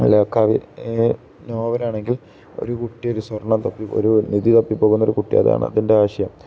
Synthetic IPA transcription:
loːkːaːʋḭ | noːʋɐɾaːɳe̞ŋɡil | o̞̰ɾukuʈːijo̞ɾuswɐrɳːɐmt̪ɐpːio̰ɾuniðit̪ɐpːipːo̞ːɣunːɐo̞ɾukuʈːḭɐ̰ða̰ːɳɨ̰ɐ̰ðinde̞aːɕɐjɐm

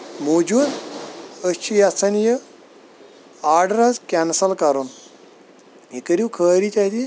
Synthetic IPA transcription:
mod͡ʒuːd̪ | ət͡ʃʰijat͡sənjə | aɖɾad͡zkʲansəlkaɾon | ikəɾiwkʰəːɾit͡ɕat̪i

